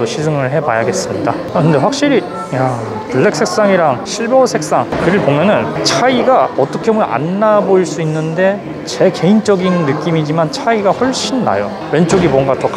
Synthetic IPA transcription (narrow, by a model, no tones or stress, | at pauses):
oɕʰid͡ʑɯŋɯɭɦe̞bajaɡe̞s͈ɯmɲida | kɯnde̞ɸwak̚ɕ͈iɾi | ja | tuɭːe̞k̚s͈ʰe̞k̚s͈aŋiɾaŋɕʰiɭbʌsʰe̞k̚s͈aŋkɯɾɯɭboŋmjʌnɯnt͡ɕʰaiɡaʌt͈ʌkʰemʔa̰nːaboiɭs͈uinːɯnde̞ | t͡ɕe̞ke̞int͡ɕ͈ʌɡinːɯk͈imid͡ʑimant͡ɕʰaiɡaɸwʌɭɕ͈inːa̰jo | we̞nt͡ɕ͈oɡimwʌnɡatʰʌk